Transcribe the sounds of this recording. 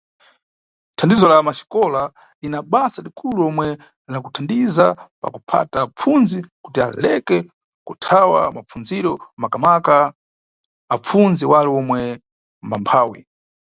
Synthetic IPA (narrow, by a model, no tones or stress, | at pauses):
tʰandizɔlamaʃi̥kɔla | inaɓasalikʰuluɔmwɛ | nakutʰandizapa̰kupʰa̰tap͡funzikutia̰lɛkɛ | kutʰawa̰map͡funziɾɔmakamaka | p͡funziwalɛɔmwɛ | mbampʰaːwḭ